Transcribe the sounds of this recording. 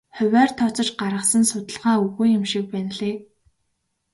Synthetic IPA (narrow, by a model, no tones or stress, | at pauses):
χʊwʲæːrt̪ʰːɔt͡sɞ̆t͡ɕɢaɾə̆χsə̆nsʊt̪ə̆ɮʁaːuɣujɪ̆mʃik̚pæn̆ɮeː